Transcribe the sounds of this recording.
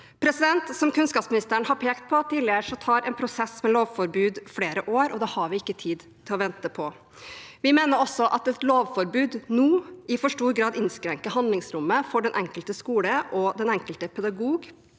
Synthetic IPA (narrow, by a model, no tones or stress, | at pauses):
pʰɾɛsɪd̪ɛnt̪sɔmkʉnskɑːpsmɪnɪst̪əɾɳhɑɾpʰeːkt̪̚pʰɔt̪ːiːlɪəʂɔt̪ʰɑːɾɛːnpʰɾʊsɛsmɛloːʋfɔɾbʉːd̪fleːɾəʔoːɾɔd̪ɛhɑɾʋɪɪkːət̪ʰiːd̪ | t̪ʰɪlɔʋɛnt̪əpʰɔ | ʋɪmeːnəɾɔsːɔʔɑt̪ɛt̪loːʋfɔɾbʉːd̪nuːɪfɔʂʈuːɾɡɾɑːd̪ɪnskɾɛŋkəɦɑnd̪lɪŋsɾʊmːəfɔɖɛnʔɛŋkəlt̪əskuːləʔɔd̪ɛnɛŋkəlt̪əpʰɛd̪ɑɡuːɡ